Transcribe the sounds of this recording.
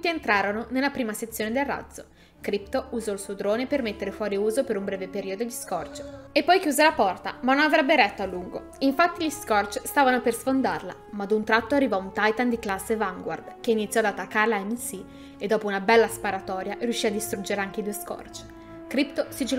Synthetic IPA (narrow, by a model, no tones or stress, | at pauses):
ut̪ːient̪ɾaːɾononelːapɾiːmaset̪sːjoːned̪elrːa̰d̪zːo | kɾipt̪ouzɔilsuod̪ɾoːnepermet̪ːeɾefwɔːɾiuːzopeɾumbɾɛːvepeɾiːod̪od̪iskɔrt͡ʃ | epːɔjkjuːzelapɔrt̪a̰manːonavɾɛbːeɾɛt̪ːoalːuŋɡo̰ | iɱfat̪ːiʎiskɔrt͡ʃst̪aːvanopersfond̪a̰rla̰mad̪unt̪ɾat̪ːoarːivɔunt̪ajt̪and̪iklasːevaŋɡwa̰rd̪k̟einit̪sːjɔad̪at̪ːakːaɾelaɛmisi | ed̪ːɔːpounabɛlːaspaɾat̪ɔːɾjaʔrjuʃːiad̪ːist̪ɾund͡ʒeɾeaŋk̟eid̪uːeskɔ̰rt͡ʃ | kɾipt̪osid͡ʒi